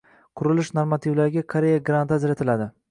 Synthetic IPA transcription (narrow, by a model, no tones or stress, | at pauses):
qʰʊɾɪlɪʃnoɾmat̪ʰivlaɾɪɡʲakʰaɾejaɡɾant̪ad͡ʒɾat̪ʰɪlad̪ɪ